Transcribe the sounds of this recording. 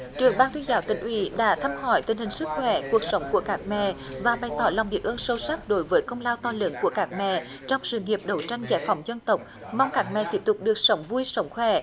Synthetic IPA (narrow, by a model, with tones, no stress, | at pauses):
t͡ɕɨ˨˩əŋɓaː˧ŋt̪ʰi˧zaː˨˦wt̪ï˧˩ŋ̟ʔwḭ˧˩˦ɗa̰ː˧˥t̪ʰə˧mhɔ˧˩jt̪ï˨˩ŋ̟hï˨˩ŋ̟sɨ˦˥k̚xwɛ˧˩˦ku˨˩ək̚sə˨˦wŋ͡mku˧˩əkaː˦˥k̚mɛ̰˧˨vaː˨˩ɓa˨˩jt̪ɔ˧˨˦laː˨˩wŋ͡mvi˨˩ək̚ʔəː˧nsə˧wsa˦˥k̚ɗo˨˦jvəː˨˦jkə˧wŋ͡mlaː˧wt̪ɔ˧lɨ̰˨˦ŋku˧˩əkaː˦˥k̚mɛ̰˧˨ | t͡ɕɔ˧wŋ͡msɨ̰˧˨ŋi˨˩əp̚ɗə˨˩˦wt͡ɕa˧jŋ̟za̰ː˧˩jfɔ˨˦wŋ͡mzə˧nt̪ə˨˩wk͡p̚ | mɔ˧wŋ͡mkaː˨˦˥k̚mɛ̰˧˨t̪i˦˥əp̚t̪ʊ˨˩k͡p̚ɗɨ˨˩ək̚sə˨˦wŋ͡mvu˧jsə˨˦wŋ͡mxwɛ˧˩